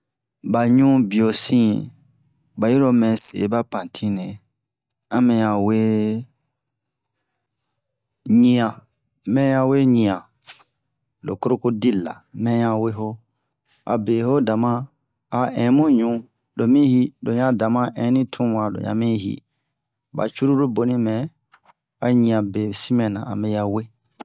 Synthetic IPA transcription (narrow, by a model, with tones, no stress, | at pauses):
ba˨ɲũ˦bi˨o˨sĩ˦ | ba˨ji˦ɾo˧mɛ̃˨sḛ˨˦ba˦pã˨tʰĩ˦nɛ̃˨ | ã˦mɛ̃˧ɲã˨we˦ | ɲĩ˦ã˨ | mɛ̃˦jã˧we˦ɲĩ˧˨ã˨ | lo̰˨ko˦ɾo˦ko˦di˦la̰˨mɛ̃˦jã˧we˦ɦo˦ | a̰˨be˨ho˦da˨mã˦ | a˨ɛ̃˨˦mũ˦ɲũ˨˦ | lo˨mĩ˦hi˦do˨ɲã˦da˨mã˦ʔɛ̃˨˦nĩ˦tʰũ˦wã˨lo̰˨ɲã̰˨mĩ˦ɦḭ˦ | ba̰˨t͡ʃu˦ɾu˦ɾo˦bo˨nĩ˦mɛ̃˨ | a˨ɲĩ˨ã˨be˨si˦mɛ̃˨nã˨a̰˨mɛ̃˨ja˨we˦